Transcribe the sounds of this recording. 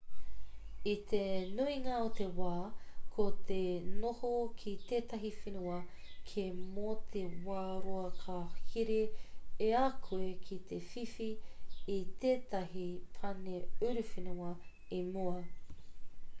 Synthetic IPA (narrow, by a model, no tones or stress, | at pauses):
it̪enuiŋɐot̪ewaːkʰot̪ʰenohokʰit̪eːt̪ɐɦifinuɐ | kʰemot̪ʰewaːɾoɐkʰahiɾeeakʰuekʰit̪ʰefifiit̪eːt̪ɐɦipʰɐneʉɾufinuɐ | emuɐ